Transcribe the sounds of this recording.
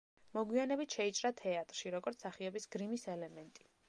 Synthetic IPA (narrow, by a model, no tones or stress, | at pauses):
mɔɡwianɛbit̪ʃɛit͡ʃʼɾat̪ʰɛat̪ʼɾʃiɾɔɡɔɾt̪saχiɔbisɡ̥ɾimisɛlɛmɛnt̪ʼi̥